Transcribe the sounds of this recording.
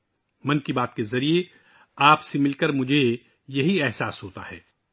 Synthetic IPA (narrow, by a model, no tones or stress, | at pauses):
mɐnkibaːt̪kezɐɾie | aːpsemɪlkəɾmʊd͡ʒʱe | jɐɦiɛɦsaːsɦoːt̪a̰ɦɛ̰ː